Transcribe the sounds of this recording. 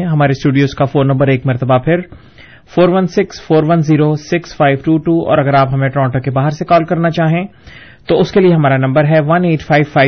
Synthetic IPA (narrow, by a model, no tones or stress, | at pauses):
ɦɐmaːɾesʈuːɖijoːzkafoːnːɐ̃mbəɾeːkmɐɾt̪əbapʰɪɾ | foːɾʋɐnsɪksfoːɾʋɐnziːɾosɪksfaːɪʋʈuːʈuːɔ̰ːɾɐɡəɾaːpɦɐmẽʈɾɔ̃ːɳʈəkebaːɦəɾsekɔːlkɐɾnat͡ʃaːɦẽː | t̪oʊskelieɦɐmaːɾanɐ̃mbəɾɦɛʋɐneːʈfʰaːɪʋfaː